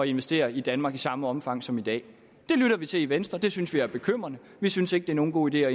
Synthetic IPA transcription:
ɒ̽e̝nʋesd̥e̝̰ːɐid̥ænmɑ̈ːɡ̥isɑ̈məɒ̽mfɑ̈ŋ̰sɒ̽mid̥ɛ̰ː | d̥e̝lyɾ̥ɐʋit͡sʰe̝liʋensd̥ʁɐd̥e̝synsʋiæɐb̥e̝kʰøm̰ʁɐnə | ʋisynse̝ɡ̥̚d̥e̝æɐno̝ːn̩ɡ̥o̝̰ːid̥e̝̰ːɒ

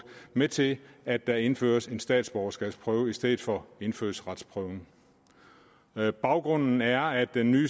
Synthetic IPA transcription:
met͡sʰe̝læd̥ɑ̈e̝nfø̰ːɐse̝nsd̥ɛ̰ːd̥sb̥ɒʊɐsɡ̥ɛ̥spʰʁœːʊisd̥eð̰̩ˠfɒe̝nfø̰ːɐsʁɑ̈d̥spʰʁœʊŋ | b̥ɑ̈ʊɡ̥ʁɔ̽n̰n̩æɐæd̥enːyː

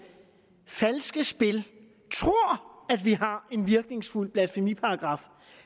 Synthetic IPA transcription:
fælsɡ̥əsb̥e̝l | t͡sʰʁo̝ɐ̰æd̥ʋiɦɑ̈e̝nʋiɐɡ̥ne̝ŋsful̰b̥læd̥femipʰɑ̈ːɡ̥ʁɑ̈ːf

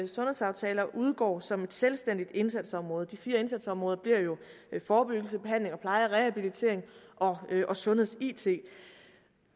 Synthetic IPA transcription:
sɔ̽nhe̝sɑ̈ʊt͡sʰɛ̰ːlɐʔuð̞ˠɡ̥ɒ̰ːsɒ̽me̝d̥selsd̥en̰d̥id̥e̝nsæd̥sɒ̽mʁɔ̽ːð̩ˠd̥ifiːɐe̝nsæd̥sɒ̽mʁɔ̽ːð̞ˠɐb̥liɐ̰jo̝ | fɒːb̥yɡ̥l̩səb̥e̝hæn̰le̝ŋɒ̽pʰlɑ̈ɪɐʁɛhæb̥ilit͡sʰe̝̰ɐ̰eŋʔɒ̽ʔɒ̽sɔ̽nhe̝ð̞̰ˠsiːt͡sʰe̝̰ː

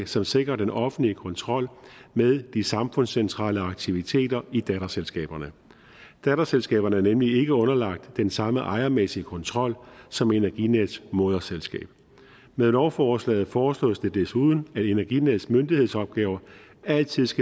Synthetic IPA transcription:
sɒ̽mse̝ɡ̥ʁɐd̥enɒ̽fn̩liəkʰɔ̽nt͡sʰʁɒ̽l̰meðˠd̥isɑ̈mfɔ̽nsent͡sʰʁɑ̰̈ːləɑ̈ɡ̥̚t͡sʰiʋit͡sʰe̝̰ːdɐid̥æɾ̥ɐselsɡ̥ɛ̰ːb̥ɐnə | d̥æɾɐselsɡ̥ɛ̰ːb̥ɐnəæɐnemlie̝ɡ̥əɔ̽nɐlɑ̈ɡ̥̚d̥ːensɑ̈məʔɑ̈ɪɐmesiəkʰɒ̽nt͡sʰʁɒ̽l̰sɒ̽me̝næɐɡ̥ined̥smo̝ð̞ˠɐselsɡ̥ɛ̰ːb̥̚ | meðˠnɒʊfɒːslɛ̰ːð̩ˠfɒːslɔ̰̽ːsd̥e̝d̥esuðˠn̩æde̝nɐɡ̥ineðˠsmønd̥ihe̝ðˠsɒ̽b̥̚ɡ̥ɛːʊɐʔæl̰t͡sʰið̰ˠsɡ̥æ

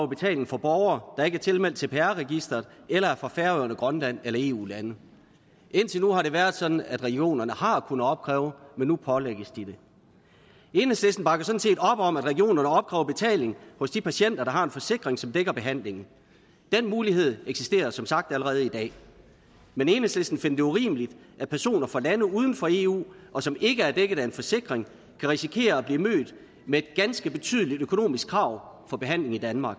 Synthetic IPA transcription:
ɛʊb̥e̝t͡sʰɛ̰ːle̝ŋ̩fɒ̽b̥ɒʊɐːd̥ɑ̈e̝ɡ̥æɐt͡sʰe̝lmel̰d̥t͡sʰe̝pʰeæɐʁɛɡ̥isd̥ɐð̩ˠelɐæɐfʁɑ̈fæɐøɐnəɡ̥ʁɶnlæn̰elɐe̝̰ːṵːlænə | ʔe̝n̰t͡sʰe̝lnuɦɑ̈ɾe̝ʋæːɐðˠsɒ̽d̥n̩æd̥ʁɛɡ̥io̝̰ːnɐnəhɑ̈kʰunəɒ̽b̥̚kʰʁɛ̰ːʊmenːupʰɒ̽leɡ̥əsd̥id̥e̝ | e̝ːnəsl̥esn̩b̥ɑ̈ɡ̥ɐsɒ̥̽n̩se̝̰ːdɒ̽b̥ɒ̽mæd̥ʁɛɡio̝̰ːnɐnəɒ̽b̥̚kʰʁɛ̰ːʊɐb̥e̝t͡sʰɛ̰ːle̝ŋhɔ̽sd̥ipʰæɕen̰d̥ɐɾ̥ɑ̈ɦɑ̈e̝nfɒ̽se̝ɡ̥ʁeŋsɒ̽md̥eɡ̥ɐb̥e̝ɦæn̰le̝ŋn̩ | d̥enmuːliɦe̝ð̞̰ˠeɡ̥sisd̥e̝̰ːɐsɒ̽msɑ̈ɡ̥̚d̥æləʁɛːð̞̩ˠid̥ɛ̰ː | mene̝ːnəslesd̥n̩fe̝nɐd̥e̝uʁḭːməlid̥ʔæpʰæɐso̝̰ːnɐfɑ̈lænəuːð̞ˠn̩fɒ̽e̝ṵːʔɒ̽sɒ̽me̝ɡ̥əæɐd̥eɡ̥əð̩ˠæe̝nfɒ̽se̝ɡ̥ʁeŋ | kʰæʁisikʰe̝̰ːɐæb̥liːmø̰ːd̥ | meːd̥̚ɡ̥ænsɡ̥əb̥e̝t͡sʰy̰ːð̞ˠlid̥økʰo̝no̝̰ːmisɡ̥kʰʁɑ̈ʊ̰fɒ̽b̥e̝ɦæn̰le̝ŋid̥ænmɑ̈ːɡ̥

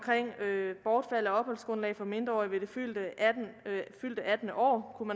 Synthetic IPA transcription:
kʰʁeŋ̰øb̥ɒːd̥fæl̰ɒ̽ɒ̽b̥hɒ̽lsɡ̥ʁɔ̽nlɛ̰ːɪfɒ̽me̝nd̥ʁɐɒ̰ːiʋe̝d̥e̝fyld̥ə | fyl̰d̥əʔæd̥n̩əʔɒ̰ːkʰumæ

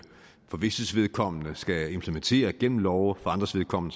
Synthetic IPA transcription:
fɒ̽ʋe̝səsʋe̝ð̞ˠkʰɒ̽m̰ənəsɡ̥æe̝mpʰləment͡sʰe̝̰ːɐɡ̥en̰m̩lɒʊfɒɑ̈nd̥ʁɐsʋe̝ð̞ˠkʰɒ̽m̰n̩

